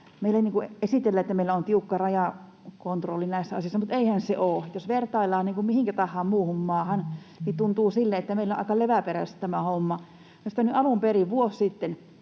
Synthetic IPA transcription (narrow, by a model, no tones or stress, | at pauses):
meilːˑæniːŋkuesit̪elːæet̪ːæmeilːæont̪iukːɑrɑjɑˑ | kont̪rolːinæisːæɑ̰sĭˑosːɑmut̪eihænseʔoːjosʋert̪ɑilːˑɑːniːŋkummihiŋkæt̪ɑhːɑːmmuːhummɑːhɑn | nit̪unt̪uːsilːeet̪ːæmeilːoʔɑ̰ikɑleʋæperæst̪t̪æmæhomːɑ | jɑsi̥t̪ænyɑlumperiʋʋuossit̪ːen